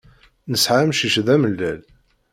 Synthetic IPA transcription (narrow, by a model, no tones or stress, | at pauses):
nəsʕamʃiʃðæməlːæl